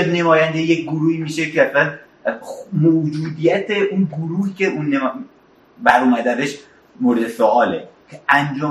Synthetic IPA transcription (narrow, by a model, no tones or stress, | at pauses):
enemɒːjænd̪ejejek̚ɡoɾuːhiːmiːʃe̞cʰeæslæn | moːd͡ʒuːd̪ijæt̪ʰeʔunɡoɾuːhice̞ʔunːe | bæɾomæd̪eæzeʃ | moɾed̪esoʔɒːlḛcʰeænd͡ʒɒː